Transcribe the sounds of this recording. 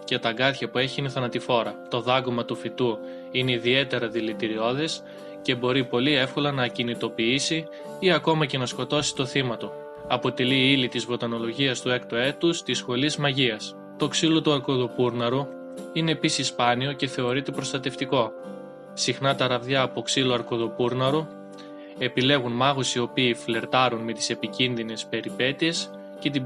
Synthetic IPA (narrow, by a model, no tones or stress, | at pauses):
ce̞t̪ɐɡɐt̪çɐpue̞çiiniθɐnɐt̪ifo̞ɾɐt̪o̞ðɐɣomɐt̪ufit̪u | ine̞iðie̞t̪e̞ɾɐðilit̪iɾio̞ðe̞s | ce̞bo̞ɾipo̞lie̞fko̞lɐnɐcinit̪o̞piisi | iɐko̞mɐce̞nɐsko̞t̪o̞si̥t̪o̞θimɐt̪u | ɐpo̞t̪e̞liilit̪izvo̞t̪ɐno̞lo̞ʝiɐst̪ue̞kt̪oe̞t̪ust̪isxo̞lizmɐʝiɐs | t̪o̞ksilo̞t̪uɐɾko̞ðopuɾnɐɾu | ine̞ːpisispɐnio̞ce̞θe̞o̞ɾit̪ebɾo̞st̪ɐt̪e̞ft̪iko̞ | sixnɐt̪ɐɾɐvðʝɐːpo̞ksiloɐɾko̞ðopuɾnɐɾu | e̞pile̞ɣunmɐɣosio̞piːfle̞ɾt̪ɐɾunme̞t̪i̥se̞picinðine̞spe̞ɾipe̞t̪ie̞s | ce̞t̪̬i